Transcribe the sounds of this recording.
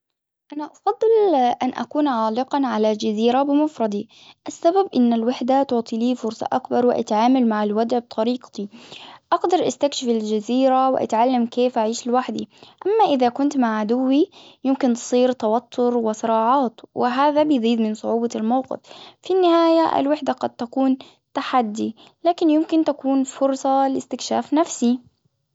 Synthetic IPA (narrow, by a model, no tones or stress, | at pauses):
ʔanaʔɑfɑd̪ˤːɨlʔanʔa̰kuːnʕaːlɪqɑnʕalad͡ʒaziːɾabɪmʊfɾˤɑd̪ˤi | ʔasːababʔɪnːalwaħd̪at̪ʊʕt̪ˤiliːfʊɾsˤɑ̰ʔakbɑɾˤwɪʔa̰t̪ʕaːmalmaʕalwad̪ʕb̚t̪ʰˤɑɾiːqt̪iʔɑɡd̪ɑɾˤʔast̪akʃɪfɪld͡ʒaziːɾawɪʔa̰t̪ʕalːamkeːfʔaʕiːʃɪlwaħd̪iʔamːaʔɪðakʊnt̪maʕʕad̪ʊwːijɪmkɪnt̪sˤiːɾt̪ɑwat̪ʰːʊɾwɪsɨɾɑːʕɑːt̪wɪɦaːðabɪjziːd̪mɪnsˤʊʕuːbɑlmawqɪ̰ffinːɪhaːjaʔɪ̰lwɪħd̪aqɑd̪̚t̪akuːn | t̪aħad̪ːi | laːkɪnjɪmkɪnt̪akuːnfʊɾsˤɑlɪst̪ɪkʃaːfnafsi